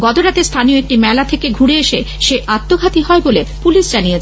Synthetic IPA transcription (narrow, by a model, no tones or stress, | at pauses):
ɡɔt̪oɾat̪eɾst̪ʰanioek̚ʈimɛlat̪ʰekeɡʱuɾeeʃe | ʃeʔat̪ːoɡʱat̪iɦɔebolepuliʃd͡ʑanijet͡ɕʰ